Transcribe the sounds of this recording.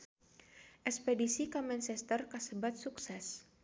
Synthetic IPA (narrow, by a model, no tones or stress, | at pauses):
ʔɛkspedisikamɛnt͡ʃɛst̪ərkasəbat̪̚suksɛs